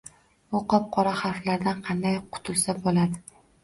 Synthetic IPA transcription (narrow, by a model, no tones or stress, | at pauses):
bʊqɒp̚qʰɒɾaχɑɾflaɾd̪anqʰɑnd̪ajqʰʊ̥t̪ʰʊlˠsabolad̪ɪ